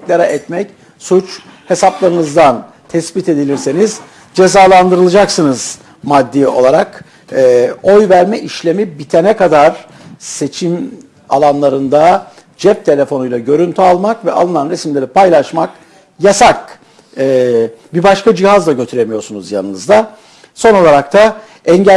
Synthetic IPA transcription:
lʲaɾɛʔɛt̪mɛc | sut͡ʃ | he̞saplˠaɾɯnɯzd̪an | t̪ʰɛsbit̪e̞d̪ilʲiɾseniz | d͡ʒe̞zaːlˠand̪ɯɾɯlˠɯd͡ʒaksɯnɯz̥ | mad̪ːio̞̰lˠaɾak | ɛːo̞jvæɾmɛʔiʃlʲe̞mibit̪ʰenɛkad̪aɾ | se̞t͡ʃʰim | a̰lˠanlˠaɾɯnd̪a | d͡ʒɛp̚t̪ʰe̞lʲe̞fo̞nujlˠaɟø̞ɾynt̪ʰyalˠmakvɛʔa̰lˠɯnanɾesimlʲe̞ɾipajlˠaʃmak | jasak̚ | ɛbibaʃkad͡ʒihazlˠaɟøt̪ʰyɾemijo̞ɾsunuzja̰nɯnɯzd̪a | so̞no̞lˠaɾak̚t̪ʰa | ɛɲɟ

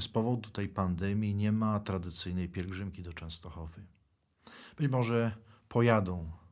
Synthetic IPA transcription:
spɔvɔd̪ut̪ɛjpand̪ɛmʲjiɲɛmat̪ɾad̪ɘt̪sɘjnɛjpʲjɛlɡʐɘmkʲid̪ɔt͡ʂɛ̃w̃st̪ɔxɔvɘ | b̥ɘt͡ɕmɔʐɛpʰɔjad̪ɔ̃w̃

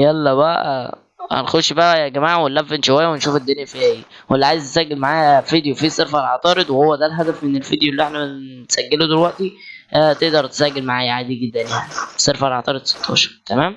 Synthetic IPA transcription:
jælːɑbæʔʔæ̰ | hæ̰nxoʃbæʔæjæɡæmaːʕwelːæfːænʃowæjːæwenʃuːfed̪ːenjæfiæ | welːiʕajezt̪esæɡːelmaʕaːjæfid̪jofiseɾfælʕɑt̪ˤɑːɾed̪wehowːæd̪ælɦæd̪æfmenelfid̪jolːiʔeħnæsæɡːelod̪elwæʔt̪i | æt̪eʔd̪ɑɾˤt̪e̥sæɡːelmaʕaːjæʕaːd̪iɡed̪ːænjaʕniseɾfælʕɑt̪ˤɑːɾed̪se̥t̪ʰːɑʃɑɾˤt̪æmæːm

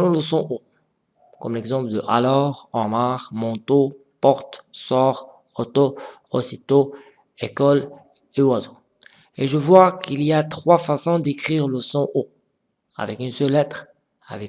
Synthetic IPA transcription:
əlɔ̃ləsɔ̃ʔo | kɔmlɛɡzɑ̃pləd̪əʔalɔʁɑ̃maʁmɑ̃t̪o | pɔʁt̪sɔʁ | ɔt̪o | osit̪o | ekɔl | ewazo | eʒəvwakiliat̪χwafasɔ̃d̪ekχiːʁləsɔ̃ʔo | a̰vɛkynsœlːɛt̪χ | a̰vɛk

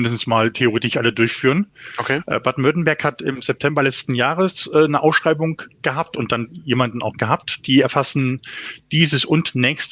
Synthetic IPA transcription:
mɪndəsn̩smaːltʰeoʁeːtɪʃʔalədʊɐçfyːʁənokʰeʔɛ̰ːb̥aɐdn̩mvʏɐtn̩bɛɐkhatɪ̰mzɛp̚tʰɛmbɐlɛt͡stn̩jaːʁəsʔɛːnəʔaʊsʃʁ̥aɪbʊŋɡ̥əɦaːp̚tʊnt̚d̥anjeːmandn̩aʊxɡ̥əɦaːp̚td̥iːɛɐfasn̩d̥iːzəsʊntnɛːçst

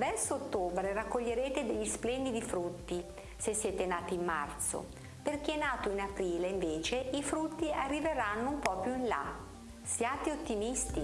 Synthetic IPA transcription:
vɛrsoot̪ːoːbɾeɾakːoʎːeɾeːt̪ed̪eʎːisplɛnd̪id̪ifɾut̪ːi | sesːjɛːt̪enaːt̪iːmːa̰rt̪so̰ | perk̟eɛnaːt̪oinapɾiːleiɱveːt͡ʃeifɾut̪ːiarːiveɾanːoumpɔpjuinla̰ | sjaːt̪eot̪ːimist̪i

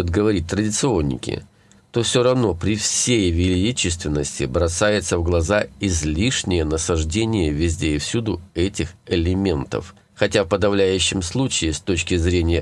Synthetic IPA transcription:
otd̪ɡəvɐɾʲit̚ʲt̪ɾədʲɪt̪sɨo̞nʲːɪ̰kʲɪ̰ | t̪ofsʲoɾɐvno̞pɾʲɪfsʲejvʲɪlʲit͡ɕɪst̪vʲɪnːəsʲtʲɪ̰bɾɐsajɪt̪səvɡlˠɐzaɪzʲlʲiʂnʲɪjənəsɐʐdʲenʲɪjəvʲɪzʲdʲeɪfsʲud̪ʊɛtʲɪxɪlʲɪmʲe̞nt̪ə̰f | xɐtʲafpəd̪ɐvlʲæjʉɕːɪmslˠut͡ɕɪːst̪o̞t͡ɕkʲɪzɾʲenʲɪjə

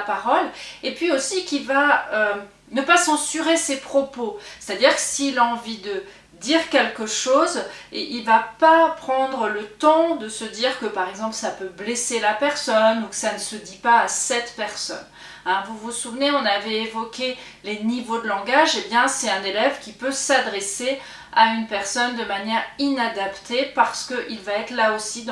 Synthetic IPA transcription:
paʁɔlepɥiosikʲivaø | nəpasɑ̃syʁesepχɔpose̥t̪ad̪iʁkə̥siːlaɑ̃vid̪ə | d̪iʁkʲɛlkəʃozilvapapχɑ̃d̪ʁələt̪ɑ̃d̪əsəd̪iʁkəpaʁɛɡzɑ̃plsapøbleselapɛʁsɔnukə̥sanəsəd̪ipaːsɛt̪pɛʁsɔ̰n | ɛ̃vuvusuvneɔ̃navɛevɔkʲe | lenivod̪əlɑ̃ɡaʒebjɛ̃sɛt̪ɛ̃nelɛvkʲipøsad̪ʁese | aynpɛʁsɔnd̪əmanjɛʁinad̪apt̪ʰepaʁsə̥kəʔilvaɛt̪χlaosid̪̃

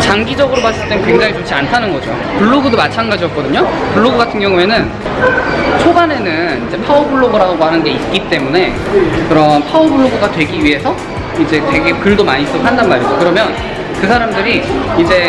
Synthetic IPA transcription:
t͡ɕaŋɡid͡ʑʌɡɯɾomas͈ɯɭt͈enkwe̞ŋd͡ʑaŋit͡ɕot͡ɕʰiantʰanɯnɡʌd͡ʑo̰ | puɭːoɡudomat͡ɕʰanɡad͡ʑiʌk̚k͈ʌdɯɲopuɭːoɡuɡatʰɯŋɡjʌŋue̞nɯn | t͡ɕʰobane̞nɯnid͡ʑe̞pʰaubuɭːoɡɯɾaɡɡohanɯnɡe̞ik͈it͈e̞mune̞ | kɯɾʌmpʰaubuɭːoɡuɡatwe̞ɡiɥiɦe̞sʰʌ | id͡ʑe̞te̞ɡe̞kɯɭdomaɲis͈ɯɾokʰandanmaɾid͡ʑokɯɾʌmjʌn | kɯsʰaɾamdɯɾiid͡ʑe̞

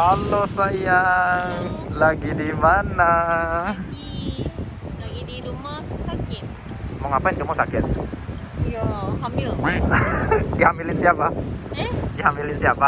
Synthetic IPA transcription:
alɔsaja | laɡidimana | laɡidiɾumasakɪt̪ | mɔŋapaɪnt̪umasakɪt̪̚ | jahamɪl | diamilɪnsiapa | diamilɪnsiapa

